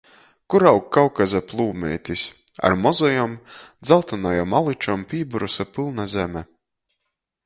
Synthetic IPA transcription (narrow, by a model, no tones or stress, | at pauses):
kuɾawkːawkazaplˠuːmɛ̰ːjt̪ʲisʲ | a̰ɾmɔzɔjɔmd̪zalˠt̪anajɔmalˠit͡ʃɔmpʲiːbuɾusapɨlˠnazʲɛmɛ